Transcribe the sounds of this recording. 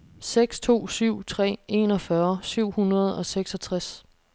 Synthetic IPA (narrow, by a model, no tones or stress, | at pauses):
seɡ̥st͡sʰo̝̰ːsyʊ̰t͡sʰʁɛ̰ːe̝̰nɒ̽fɶɐsyʊ̰hunɐð̞̩ˠɒ̽seɡ̥sɒt͡sʰʁas